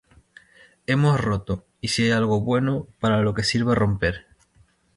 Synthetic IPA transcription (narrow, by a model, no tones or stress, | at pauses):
e̞mo̞sro̞t̪o | isiejalɣ̞o̞βwe̞nopaɾalo̞ke̞siɾβaro̞mpe̞ɾ